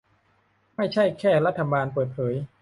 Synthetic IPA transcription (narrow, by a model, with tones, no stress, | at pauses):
ma˥˩jt͡ɕʰa˥˩jkʰɛː˥˩ɾa˦˥t̪ʰːa˧baː˧npɤː˨˩t̪̚pʰɤː˩˦j